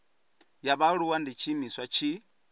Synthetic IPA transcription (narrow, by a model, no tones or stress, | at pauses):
jaβaɺuwandit͡ʃʰimiswat͡ʃʰi